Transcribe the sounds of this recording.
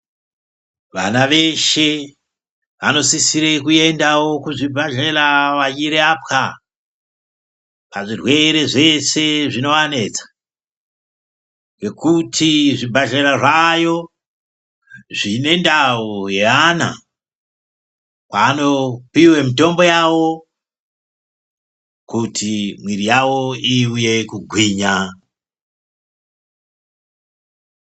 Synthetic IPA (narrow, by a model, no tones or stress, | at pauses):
ʋa̰naʋe̞ʃe̞ | ʋano̞sisiɾekue̞ndawo̞kuʐibʱaɮeɾaʋajiɾeapka | paʐirwe̞ɾe̞ʐe̞se̞ʐino̞ʋane̞ːt͡sḁ | ŋɡe̞kutʰiʐibʱaɮeɾaʐajo̞ | ʐine̞ndaujeana̰ | kwaːno̞piwe̞mito̞mbo̞jawo̞ | kutʰimwiɾijawo̞iuje̞kuɡʱwiːɲa